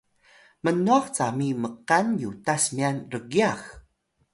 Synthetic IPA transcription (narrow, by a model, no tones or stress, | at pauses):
mənuaxt͡samiməqanjutasmianrəɡiax